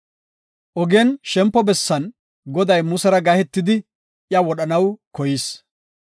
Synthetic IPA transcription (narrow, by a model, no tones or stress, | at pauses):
ʔɔɡɛnʃɛmpːɔbɛsːɐn | ɡɔd̪ɐjmʊsɛɾɐɡɐhɛt̪ːɪd̪ɪ | jɐwɔɗɐnɐwkɔjɪs